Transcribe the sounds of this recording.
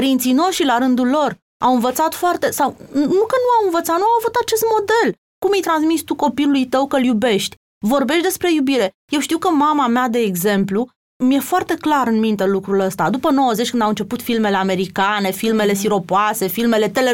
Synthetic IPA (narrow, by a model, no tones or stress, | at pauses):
əɾint̪sijno̞ʃt̪ɾilaɾɨnd̪ulːo̞r | a̰wɨnvət̪sat̪foart̪e̞sawnukənuawɨnvət̪sat̪nuawvut̪at͡ʃe̞st̪̚mo̞d̪e̞l | kumijt̪ɾansmist̪uko̞pilulujt̪əwkəljube̞ʃt̪ʲ | vo̞rbe̞ʃt̪d̪e̞spɾe̞jubiɾe̞ | je̞wʃt̪iwkəmamamead̪e̞ːɡze̞mplu | mje̞foart̪e̞klaɾɨnmint̪e̞lukɾuləst̪ad̪upəno̞wəze̞t͡ʃʲkɨnd̪awɨnt͡ʃe̞put̪filme̞le̞ame̞ɾikane̞filme̞le̞siɾo̞poase̞filme̞le̞t̪e̞le